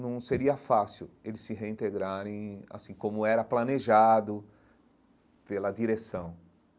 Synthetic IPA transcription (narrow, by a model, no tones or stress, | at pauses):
nɐ̃w̃seɾiɐfasiwelɪsːɪɦeĩnt̪eɡɾaɾẽj̃a̰sĩkõmʊɛɾɐplaneʒad̪ʊ | pelɐd̪iɾesɐ̃w̃